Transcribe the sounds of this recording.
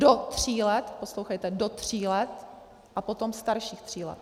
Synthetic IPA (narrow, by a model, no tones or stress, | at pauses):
dot̪r̝̥iːlɛt̪po̞slowxajt̪ɛdo̞t̪r̝̥iːlɛt̪ | ʔapo̞t̪omst̪aɾʃiːxt̪r̥iːlɛ̰t̪̚